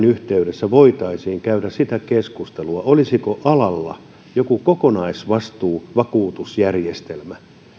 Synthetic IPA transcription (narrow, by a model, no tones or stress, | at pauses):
nyht̪eyɾesːæʋoit̪ɑisiːŋkæyɾæssit̪ækeskust̪eluɑolisikoʔɑlɑlːɑ̰ | jokukokonɑisʋɑst̪uːʋɑkuːt̪usjærjest̪elmæ